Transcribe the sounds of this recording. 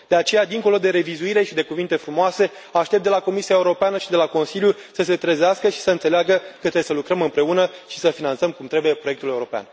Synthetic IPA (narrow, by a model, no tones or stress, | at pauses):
d̪̥e̞at͡ʃe̞jad̪iŋko̞lo̞d̪e̞ɾe̞vizuiɾe̞ʃid̪e̞kuvint̪e̞fɾumoase̞ | aʃt̪eptd̪e̞lako̞misiae̞uɾo̞peanəʃid̪e̞lako̞nsilʲjusəse̞t̪ɾəzeaskəʃi̥səɨnt̪se̞leaɡəkət̪ɾesəlukɾəmɨmpɾe̞unəʃi̥səfinant̪səmkumt̪ɾe̞buje̞pɾo̞jekt̪ule̞uɾo̞pea̰n